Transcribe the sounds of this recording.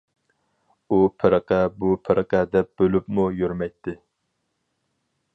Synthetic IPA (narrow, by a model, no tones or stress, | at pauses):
upʰɪɾəqɛbupʰɪɾʔəqɛd̪ɛp̚b̥ølypmujøɾmɛjt̪ʰːɪ